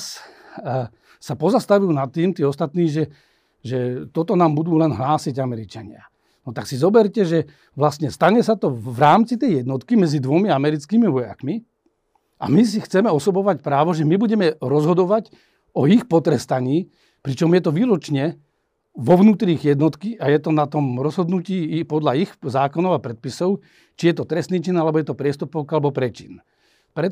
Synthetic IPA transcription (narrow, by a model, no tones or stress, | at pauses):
s | sapɔzast̪aʋujunat̪ːiːmt̪iːɔst̪at̪niːʒɛ | ʒɛt̪ɔt̪ɔnaːmbud̪uːlɛnɦlaːsiɟamɛɾit͡ʃaɲɪa̰ | nɔt̪aksizɔbɛɾcɛʒɛ | ʋlast̪ɲɛst̪aɲɛsat̪ɔʋɾaːmt͡sit̪ɛjjɛd̪nɔt̪kimɛd͡zid̪ʋɔmiamɛɾit͡skiːmiʋɔja̰kmi | a̰mis̬ixt͡sɛmɛɔsɔbɔʋacpɾaːʋɔʒɛmibuɟɛmɛɾɔzɦɔd̪ɔʋac | ɔixpɔt̪ɾɛst̪aɲiː | pɾit͡ʃɔmjɛt̪ɔʋiːɾut͡ʃɲɛ | ʋɔʋnuːt̪ɾiːɣjɛd̪nɔt̪kiʔajɛt̪ɔnat̪ɔmɾɔzɦɔd̪nuciːpɔd̪laixzaːkɔnɔʊapɾɛt̪̚pisɔʊ | t͡ʃijɛt̪ɔt̪ɾɛst̪niːt͡ʃinalɛbɔjɛt̪ɔpɾɪɛst̪upɔʊkalɛbɔpɾɛt͡ʃin | pɾɛ